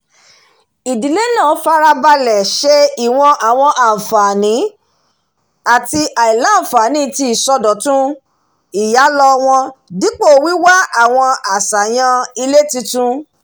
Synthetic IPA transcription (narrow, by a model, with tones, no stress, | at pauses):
i˨di˨le˦nã˦˨˦fa˧ɾa˧ba˧lɛ˨ʃe˧i˨w̃ɔ̃˧ʔa˨w̃ɔ̃˧ʔa˨fa˨nĩ˨˦ | a˨ti˧ʔa˨i˨lã˨˦˨fa˨nĩ˨˦˨ti˦i˨sɔ˧dɔ˨tũ˦ | i˨ja˨˦lɔ˧w̃ɔ̃˧di˨˦k͡po˦˨wi˦wa˦a˨w̃ɔ̃˧a˨sa˨j̃ã˧i˧le˦tĩ˧tũ˦